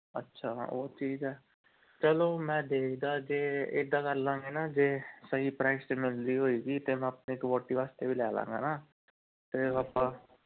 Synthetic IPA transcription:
ə̰tːʃʰaːo̰ːt͡ʃʰiːzɛː | t͡ʃɛloːmɛ̃ːd̪eːkʰd̪aːd͡ʒeːɪd̪ãːkəɾlãːŋɡeːnaːd͡ʒeːsəɦiːpɾɛːsmɪld̪iːɦoːiːɡiːt̪eːmɛ̃ːəpneːɪkʋoːʈiːʋaːst̪eːʋiːlɛːlã̰ːŋɡa̰ːnaː | t̪eːəpːãː

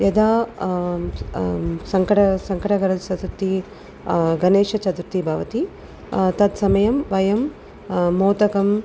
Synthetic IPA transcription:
jɐd̪ʱaː | sɐŋkɐʈɐsɐŋkɐʈɐɡɐɾɐt͡ʃɐt̪ɾut̪i | ɡɐneːʂɐt͡ʃɐt̪ɾut̪ibʱɐʋɐt̪i | t̪ɐt̪sɐmɐjɐmʋɐjɐmː | oːt̪ɐkɐm

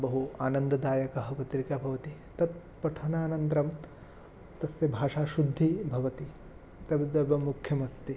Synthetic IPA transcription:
bɐɦuaːnɐnd̪ɐd̪aːjɐkɐɦɐ̆pɐt̪ɾikaːbʱɐʋɐt̪i | t̪ɐt̪̚ | pɐʈʰɐnaːnɐnt̪ɾɐm | t̪ɐsʋjɐbʱaːʂaːʃud̪ʱːibʱɐʋɐt̪i | t̪ɐbd̪ɐbɐmukʰjɐmɐst̪i

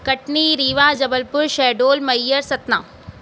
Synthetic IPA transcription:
kɐʈniɾiːʋaːd͡ʒɐbəlpʊɾʃɛːɖoːlmɐjːəɾsɐt̪naː

